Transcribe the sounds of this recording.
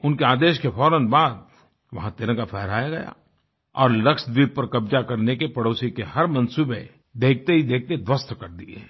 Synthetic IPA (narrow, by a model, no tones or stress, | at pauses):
ʊnkeaːd̪eːʃkefʰɔːɾənbaːd̪̚ | ʋɐɦãt̪ɪɾə̃kapʰɛɦɾaːjaɡɐja̰ | ɔːɾlɐkʃd̪iːb̚pɐɾkɐbd͡ʒakɐɾnekepɐɽoːsikehɐɾmɐ̃nsuːbe | d̪eːk̚t̪eɦid̪eːk̚t̪ed̪ʋəst̪kɐɾd̪ie